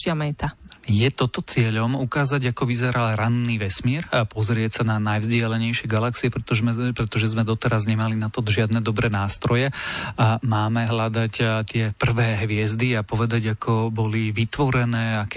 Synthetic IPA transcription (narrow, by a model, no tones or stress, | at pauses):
ɪamɛt̪ajɛt̪ɔt̪ɔt͡sɪɛʎɔmukaːzaɟakɔʋizɛɾalɾanːiːʋɛsmɪɛɾapɔzɾɪɛcsananajvzɟɪalɛɲɛjʃɪɛɡalaksiɛpɾɛt̪ɔʒmɛpɾɛt̪ɔʒɛzmɛd̪ɔt̪ɛɾazɲɛmalinat̪ɔʒɪad̪nɛd̪ɔbɾɛːnaːst̪ɾɔjɛamaːmɛɦlad̪act̪ɪɛpr̩ʋɛːɦʋɪɛzd̪iapɔʋɛd̪aɟakʰɔbɔliʋit̪ʋɔɾɛnɛːak